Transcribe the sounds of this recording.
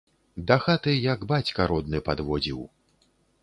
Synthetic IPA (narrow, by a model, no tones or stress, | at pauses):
d̪axat̪ɨjɐɡbat͡sʲkɐɾɔd̪̚nɨpad̪vɔd͡zʲiw